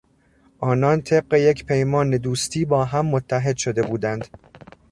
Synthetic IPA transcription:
ʔɒːnɒːnt̪ʰe̞b̚ɢe̞je̞cʰpʰe̞jmɒːne̞d̪uːst̪ʰiːbɒːɦæmːot̪ʰːæɦe̞d̪ʃo̞d̪e̞buːd̪ænd̪̥

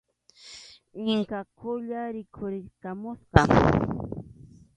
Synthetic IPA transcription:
ɪŋkakʰʊʎaɾɪkʰʊɾɪkamʊsqɑ

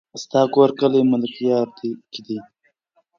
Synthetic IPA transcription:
st̪ɑːkoɾkəliməlkjɑːɾd̪ikid̪i

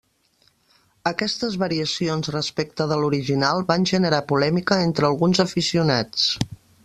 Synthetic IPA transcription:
əkɛst̪əzβəɾiəsionzrəspek̚t̪əðəluɾiʒinalˠβanʲʒənəɾapulɛmikəent̪ɾəlˠɣunzəfisiunat͡s

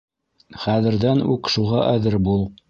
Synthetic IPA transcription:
χæðɘ̆ɾðænʉ̰kʃuʁɑʔæðɘɾbulˠ

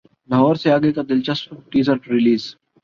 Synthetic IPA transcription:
lɐɦɔːɾseaːɡekad̪ɪlt͡ʃɐstʈiːzəɾʈɾɪliːz

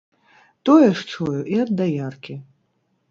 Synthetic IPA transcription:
t̪ɔjɛʂt͡ʂɔjuʔiɐd̪ːajarkʲi

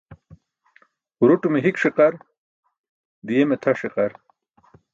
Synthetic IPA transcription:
ɾuʈumeɦikʂiqɐɾ | d̪ijemet̪ʰɐʂiqɐɾ

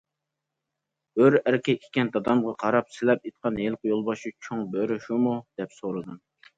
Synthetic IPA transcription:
øɾæɾkʲɛkʲʰe̥kʲɛnd̪ɑd̪ɑmʁɑqʰɑɾɑpsɪlɛp̚et̪̚qʰɑnɦelˠqʊjolˠbɑʃut͡ʃʰoŋbøɾɪʃumud̪̥ɛpsoɾɨd̪ɨm

